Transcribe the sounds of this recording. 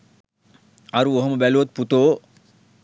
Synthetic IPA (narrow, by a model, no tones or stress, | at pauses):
ɐɾuoɦɐməbɛluʋɐt̪̚put̪oː